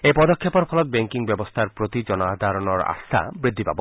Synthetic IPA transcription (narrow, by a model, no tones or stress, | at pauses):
epɔd̪okʰːepɔɾpʰɔlɔt̪̚beŋkiŋbɛbost̪ʰaɾpɾot̪id͡ʒɔnad̪ʱaɾɔnɔɾa̰st̪ʰa̰bɾid̪ʱːiba̰bo